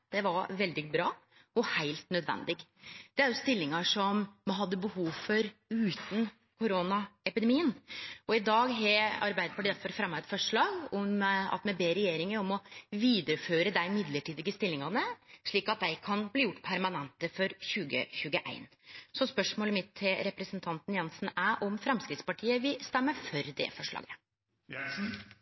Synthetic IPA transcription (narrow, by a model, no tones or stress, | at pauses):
d̪̥ɛʋɑɾʋɛld̪ɪɡbɾɑː | ɔhæɪlt̪nœd̪ʋɛ̰nd̪ɪɡd̪̥ɛæɾjʊst̪ɪlːɪŋɑʂɔmːɦɑd̪ːəbəhuːʋfɔɾʉːt̪n̩ | kʰʊɾoːnɑɛpɪd̪ɛmiːənɔɪd̪ɑːɡɦɛɑ̰ɾbæɪd̪əpʰɔɖɛt̪fɔɾfɾɑmːɑɛt̪fɔʂɭɑːɡɔmɑ̰t̪mɛbeːɾɛjeːɾɪŋəɾɔmɔʋiːd̪əɾəføːɾəd̪æɪmɪd̪ləʈʰiːd̪ɪɡəst̪ɪlːɪŋɑnəʂɭiːkɑt̪̚d̪æɪkʰɑnbliːjʊʈːpʰæɾmɑnɛnt̪əfɔɾçʉːɡə̰çʉːɡəʔæ̰ɪn | sɔspœʂmoːləmɪt̪ʰːɪlɾɛpɾɛsnt̪ʰɑnt̪n̩jɛnsn̩æʔɔmfɾɛmskɾɪt̪spɑʈʰiːəʋɪst̪ɛmːəfɔɾd̪ɛ̰fɔʂɭɑ̰ːɡə